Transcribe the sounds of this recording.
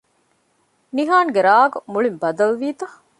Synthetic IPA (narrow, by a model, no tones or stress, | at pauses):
niɦaːŋɡeɾaːɡumuɭimbɐd̪ɐlʋiːt̪ɐ